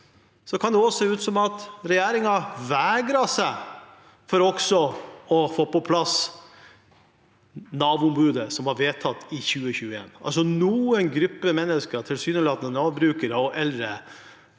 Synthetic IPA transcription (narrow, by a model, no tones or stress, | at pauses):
sɔkʰɑnd̪ɛɔseːʉːt̪sɔmɑt̪ɾɛjæːɾɪŋɑʋæːɡɾɑsæɪ | fɔɾɔksɔɔfoːpɔpʰlɑs | nɑːʋʊmbʉːd̪əsɔmhɑɾʋeːt̪ʰɑt̪ːɪçʉːəçʉːəḛːnɑ̰ls̬ɔnuːənɡɾʏpːəmɛnːəskəɾt̪ʰɪlsyːnəlɑːt̪nənɑːʋbɾʉːkəɾəɔʔɛlɾə